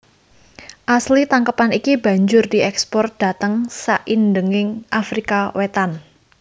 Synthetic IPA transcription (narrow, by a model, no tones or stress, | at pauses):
ʔaslit̪aŋkəpanikiba̤ɲd͡ʒʊrdiɛkspɔrt̪̚d̥a̤t̪əŋsaʔindəŋɪŋʔafɾikawet̪an